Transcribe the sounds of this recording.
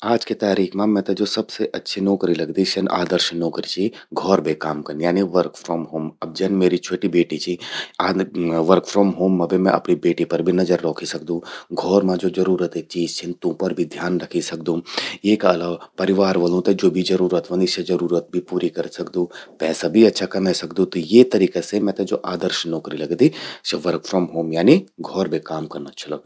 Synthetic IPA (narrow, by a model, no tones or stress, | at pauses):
aːd͡ʒket̪aːɾiːkʰmãmɛ̃ːt̪ɐd͡ʒoːsɐbseʔɐtːʃʰinoːkɾilɐɡd̪iʃɐnʔa̰ːd̪əɾʃnɔːkɾit͡ʃʰiɡʱɔːɾbʱekaːmkɐɾnjaːniʋəɾkfʰɾɔːmɦoːmɐb̚d͡ʒɛnmeːɾit͡ʃʰoːʈibeːʈit͡ʃʰiaːʋəɾkfʰɾɔːmɦoːmːãbʱimɛ̃ʔɐ̰pnibeːʈipɐɾbʱinɐd͡ʒəɾːɔːkʰisɐk̚d̪ũɡʱɔːɾmãd͡ʒoːd͡ʒɐɾuːɾət̪et͡ʃiːzt͡ʃʰɪnt̪ũpɐɾbʱid̪ʱjaːnɾɐkʰisɐk̚d̪ũeːkaɐlaːʋapɐɾɪʋaːɾʋɐlũt̪ed͡ʒoːbʱid͡ʒɐɾuːɾət̪ʋɐ̃nɪʃɐd͡ʒɐɾuːɾət̪̚bʱipuːɾikɐɾsɐkd̪ũpɛːsabʱiɐtːʃʰakɐmesɐkd̪ũt̪ɔjet̪ɐɾiːkesemɛ̃t̪ẽd͡ʒoːʔaːd̪əɾʃnːɔːkɾilɐɡd̪iseʋɐɾkfʰɾɔːmɦoːmjaːniɡʱɔːɾbʱekaːmkɐɾnaːtːʃʰolɐɡ̪̚